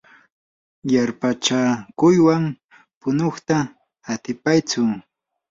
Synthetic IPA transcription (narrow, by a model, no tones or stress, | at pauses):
jaɾpat͡ʃakʊjwam | pʊnoχt̪aː | t̪ɪpajt͡sʊ